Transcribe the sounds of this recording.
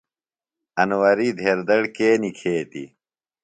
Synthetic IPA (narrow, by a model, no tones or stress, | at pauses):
ɐnwɐɾiːd̪ʱeːɾd̪ɐɽkeːnikʰeːt̪ḭ